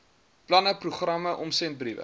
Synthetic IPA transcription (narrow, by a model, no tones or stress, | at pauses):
plɐnəpruχrɐməʔɔmsɛnt̚brivə̰